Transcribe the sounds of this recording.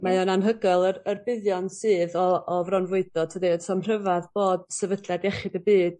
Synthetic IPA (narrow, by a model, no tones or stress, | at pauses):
majɔnanɦəɡɔlˠərərbɪðjɔnsɨːðɔːvrɔnvʊɨdɔd̚tʰədiəsʰɔmr̥əvaðboːd̚sɛvədljadɛχɪdəbiːd̥